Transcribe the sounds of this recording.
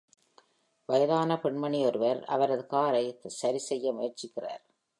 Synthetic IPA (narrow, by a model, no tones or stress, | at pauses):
ʋɐjɐðaːnɐpɛɳmɐɳiɔɾɯʋɐɾɐ̰ʋɐɾɐðɯkaːɾɐɪsɐɾisɛjːɐmʊjɐɾt͡ʃɪkːɪra̰ːɾ